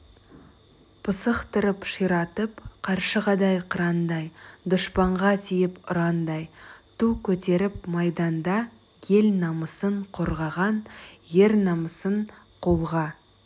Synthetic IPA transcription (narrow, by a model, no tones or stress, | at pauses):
pʰəsəqt̪əɾəpʃijɾɑt̪əpqʰɑɾʃəʁɑd̪ɑjqʰəɾɑnd̪ɑjd̪ʊʃpɑɴʁɑt̪ʰijɪpʊɾɑnd̪ɑjt̪ʰukʲʰɵt̪e̞ɾɪpmɑjd̪ɑnd̪ɑ | jʲʰe̞lnɑməsəɴqʰo̞ɾʁɑʁɑnje̞ɾnɑməsəɴ | qʰolˠʁɑ